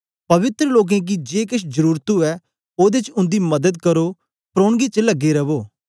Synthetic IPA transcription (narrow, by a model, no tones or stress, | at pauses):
pɐʋɪt̪ɾəloːk̬ẽːk̬id͡ʒeːkɪʃ̬d͡ʒəɾuːɾt̪uɛː | oːd̪et͡ʃʊ̃nd̪iːməd̪əd̪̚kəɾoː | pɾoːɳɡiːt͡ʃələɡːeːɾɐʋoː